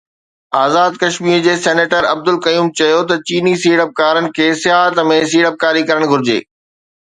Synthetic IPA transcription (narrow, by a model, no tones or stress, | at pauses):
aːzaːd̪̚kɐʃmiːɾd͡ʑeːsɛːneːʈəɾɐb̚d̪ʊlkɐjuːmt͡ɕɐjot̪ɐt͡ɕiːnisiːɽəp̚kaːɾənɪ̆kʰeːsɪjaːɦət̪mẽs̬iːɽəp̚kaːɾikɐɾəɽ̃ɡʱʊɾɪd͡ʑḛː